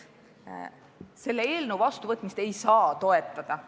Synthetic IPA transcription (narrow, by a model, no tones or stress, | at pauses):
se̞lːee̞ːlnəwvɑst̪uvɤt̪ːˑmist̪e̞jsɑːt̪o̞e̞t̪ːˑɑd̪̥ɑ